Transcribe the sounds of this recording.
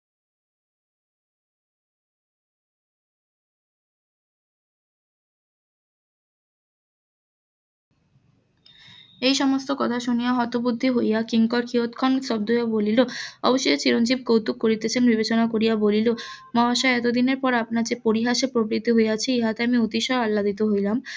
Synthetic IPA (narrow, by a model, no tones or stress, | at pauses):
ejʃɔmost̪okɔt̪ʰaʃunijaɦɔt̪obud̪ʱːiɦojakiŋkɔɾkʰiɦot̪kʰɔnsɔb̚d̪ojaboliloɔ̰boʃoet͡ɕiɾond͡ʑib̚kowt̪uk̚koɾit̪et͡ɕʰenbibet͡ɕonakoɾijabolilomɔaʃaɛt̪od̪ineɾpɔɾapnaɾd͡ʑepoɾiɦaʃepɾobɾit̪ːiɦoeat͡ɕʰeeɦat̪eamiot̪iʃɔɾalːad̪it̪oɦojlam